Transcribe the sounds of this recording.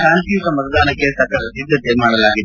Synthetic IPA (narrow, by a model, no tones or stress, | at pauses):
kaːnt̪iːʋukɐmɐt̪ʰɐd̪aːnɐkːesɐɾkadɐsid̪ʱːɐt̪emaːɽɐlaːɡid̪e